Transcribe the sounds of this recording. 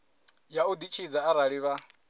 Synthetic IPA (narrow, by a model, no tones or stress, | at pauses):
jaud̪it͡ʃʰid͡zaːɾaɺiβa